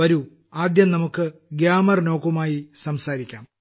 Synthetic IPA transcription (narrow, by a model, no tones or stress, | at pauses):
ɐɾu | aːd̪jɐmnɐmukːɨɡjaːmɐrno̞ːkumaːjisɐmsaːɾikʲːaːm